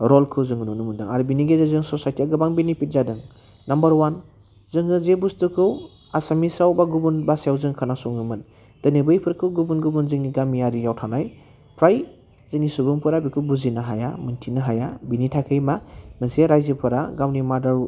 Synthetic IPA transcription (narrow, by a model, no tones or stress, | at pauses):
ɾɔlkʰɯwzɯŋɯnunɯmɯdɯŋaɾubiniɡezazɯŋsɔsajtʰiaɡɯbaŋbinipit̚zadɯŋ | nambəɾwan | zɯŋɯzebustɯkʰɯw | asamisawbaɡubunbasawzɯŋkʰanasɔŋnumɯt̚ | d̥ɯnebɯjpʰɯɾkʰɯwɡubunɡubunzɯŋniɡamijaɾijawtʰanaj | pʰɾaj | zɯŋnisubɯŋpʰɯɾabikʰɯbuzinaɦaja̰mɯntʰinaɦajabinitʰakʰɯjmamɯseɾajzɯpʰɯɾaɡawnimadaɾ